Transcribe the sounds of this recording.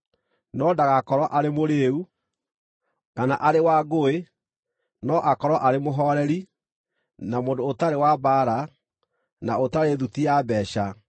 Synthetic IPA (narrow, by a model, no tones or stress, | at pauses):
nɔdaɣakɔɾwɔʔaɾemoɾeːu | kanaʔaɾewaɡoe | nɔʔakɔɾwaʔaɾemoɦɔɾɛɾi | namoːndoːtaɾewabaɾa | naotaɾeðutiabɛːɕa